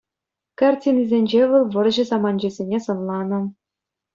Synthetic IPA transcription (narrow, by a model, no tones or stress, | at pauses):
kɑrtʲinizʲenʲd͡ʑeʋɤ̆lˠʋɤ̆rʑɘ̆zɑmɑnd͡ʑɘ̆zʲenʲesɤ̆nlˠɑnɤ̆